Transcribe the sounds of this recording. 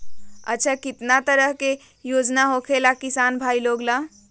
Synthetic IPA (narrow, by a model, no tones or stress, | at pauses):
ə̰tːt͡ʃʰakit̪nat̪əɾəɦke | jod͡ʒnaɦokʰelakisanbʱailoɡla